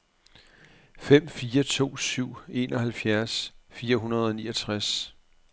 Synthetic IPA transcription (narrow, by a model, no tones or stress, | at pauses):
fem̰fiːɐt͡sʰo̝̰ːsyʊ̰e̝̰nɒ̽hælfjæɐsfiːɐɦunɐð̞ˠɒ̽nḭːɒt͡sʰʁas